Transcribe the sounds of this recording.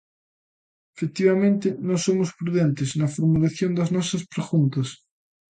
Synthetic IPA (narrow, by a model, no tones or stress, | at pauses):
efek̚t̪iβamẽnt̪ɪnõsomospɾuðent̪eznɐfoɾmulaθjond̪ɐznɔsɐspɾexunt̪ɐs